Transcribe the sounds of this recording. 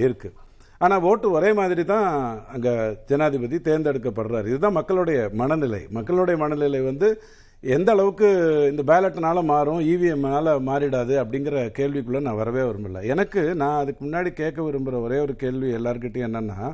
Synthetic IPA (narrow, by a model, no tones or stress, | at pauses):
ɪɾɯkːɯ | aːnaːʋoːʈːɯɔɾeːmaːðɪɾit̪ãːɐŋɡɐt͡ʃɛnːaːðɪpɐt̪̬ːit̪eːɾnd̪ɛɽɯkːɐpːɐɽɯɾaːɾɪðɯt̪ãːmɐkːɐɭɔɽɐjɐmɐɳɐnɪlɐ̰ɪmɐkːɐɭʊɽɐjɐmɐnɐnɪlɐɪʋɐnd̪ɯ | ɛnd̪ɐɐɭɐʋɯkːɯɪnd̪ɐbeːlɐʈːnaːlɐmaːɾʊ̃iːʋiɛmnaːlɐmaːɾɪɽaːðɯɐpːɐɽɪŋɡɪɾɐkeːɭʋikːɯɭːɐnãːʋɐɾɐʋeːʋɐɾɯmbɪlːɐ̰ɛnɐkːɯnãːɐðɯkːɯmʊnːaːɽikeːʈ̚k̬ːɐʋɪɾɯmbɯɾɐɔɾeːɔɾɯkeːɭʋiɛlːaːɾɯk̬ɪʈːɐjɛnːɐnːa̰ː